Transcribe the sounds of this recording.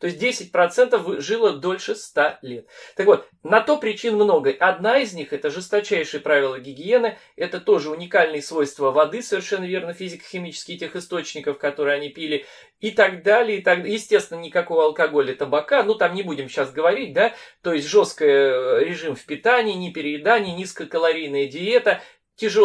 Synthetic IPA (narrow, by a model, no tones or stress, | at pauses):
t̪oɪsʲt̚ʲdʲesʲɪt̚ʲpɾɐt̪sɛnt̪əfɨʐɨlˠəd̪o̞lʲʂɨst̪alʲet̪̚t̪ːəkvo̞t̪ | nɐt̪opɾʲɪt͡ɕinmno̞ɡəɐd̪naɪzʲnʲixɛt̪əʐɨst̪ɐt͡ɕæjʂɨjəpɾavʲɪlˠəɡʲɪɡʲɪenɨ | ɛt̪ət̪o̞ʐɨʊnʲɪkalʲnɨjəsvo̞jst̪vəvɐd̪ɨsəvʲɪrʂɛnːəvʲe̞rnəfʲizʲɪkə̥xʲɪmʲit͡ɕɪ̥skʲɪtʲexɪst̪o̞t͡ɕnʲɪkəfkɐt̪o̞ɾɨjɐnʲipʲilʲɪ | ɪt̪ɐɡd̪alʲɪɪt̪ɐɡd̪jɪsʲtʲe̞st̪ʲvʲɪnənʲɪkɐko̞vəɐlˠkɐɡo̞lʲət̪əbɐkanut̪amnʲɪbudʲɪmɕasɡəvɐɾʲit̚ʲd̪at̪o̞ɪsʲtʲʐo̞st̪kəjəɾʲɪʐɨmfpʲɪt̪anʲɪːnʲɪpʲɪɾʲɪɪd̪anʲɪjənʲiskəjəkəlˠɐɾʲijnəjədʲɪe̞t̪ə | tʲɪʐɨ